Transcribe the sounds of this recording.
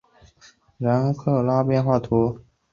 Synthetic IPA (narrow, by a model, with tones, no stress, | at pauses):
ɻə˧˥nkʰɤ˥˩la˥pjɛ˥˧nxwa˥˩t̪ʰu˧˥